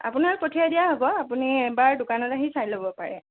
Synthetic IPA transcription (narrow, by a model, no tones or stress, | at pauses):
a̰punaɹpɔtʰiadijaɦɔbɔapuniɛbaɹdʊkanɔtaɦisajlobɔpaɹɛ̰